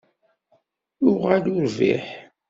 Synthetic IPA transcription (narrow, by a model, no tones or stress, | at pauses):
ʊʁalʊɾvḭħ